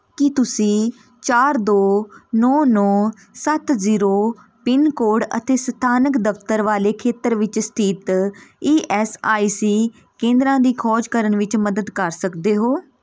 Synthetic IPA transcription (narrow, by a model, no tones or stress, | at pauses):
kɪt̪ʊsĩː | t͡ʃaːɾd̪oːnɔːnɔː | sət̪ziːɾoː | pɪnkoːɖə̰t̪eːsət̪ʰaːnəkd̪əft̪əɾʋaːleːkʰeːt̪əɾʋɪt͡ʃst̪ʰiːt̪iːʔɛːsaːiːsiː | kẽːnd̪ɾãːd̪iːkʰɔːd͡ʒkəɾəɳʋɪt͡ʃməd̪əd̪kəɾsəkd̪eːɦoː